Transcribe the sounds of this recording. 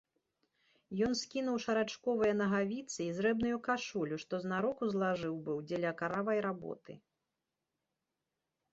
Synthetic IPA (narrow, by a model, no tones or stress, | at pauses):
jɔnskʲinuwʂɐɾat͡ʂkɔvɨjɐnɐɣavʲit̪sɨizɾɛbnujukaʂulʲuʂt̪ɔznaɾɔkuzlˠaʐɨwbɨwd͡zʲɛlʲɐkaɾavɐjɾabɔ̰t̪ɨ̰